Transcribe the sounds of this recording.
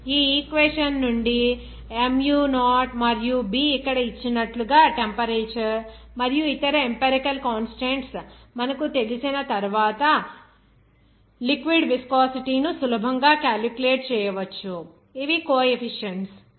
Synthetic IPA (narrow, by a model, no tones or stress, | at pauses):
iːkʋeʂɐnːuɳɖi | emjunaːʈmɐɾijubiːikːɐɽɐit͡ʃːinɐʈluɡaːʈempɐɾeːt͡ʃɐɾ | mɐɾijuit̪ɐɾɐempeɾikɐlkaːnsʈeɳʈsmɐnɐkut̪e̞lisinɐt̪ɐɾʋaːt̪ɐ | likʋiɖʋiskaːsiʈiːnusulɐbʱɐŋɡaːkaːlukuleːʈ̚t͡ʃɛːjɐʋɐt͡ʃːu | iʋikoːepʰiʂɐɳʈs